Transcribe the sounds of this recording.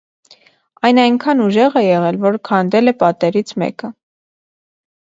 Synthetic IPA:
ɑjnɑjŋkʰɑnuʒɛʁɛjɛʁɛlvɔɾkʰɑnd̪ɛlɛpɑt̪ɛɾit͡sʰmɛ̰kə

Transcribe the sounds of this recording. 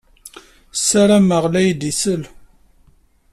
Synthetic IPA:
sːæɾæməʁlæjd̪isəl

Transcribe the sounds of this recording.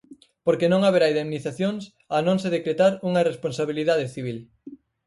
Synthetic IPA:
poɾkenõŋaβeɾaiðemniθaθjoŋs | anõŋseð̞ekɾet̪aɾuŋɐresponsaβ̞iliðað̞eθiβ̞il

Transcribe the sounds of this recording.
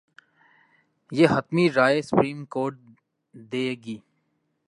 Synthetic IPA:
jeːɦɐt̪miɾaːesʊpɾiːmkoːɾʈ̚ | d̪eːɡiː

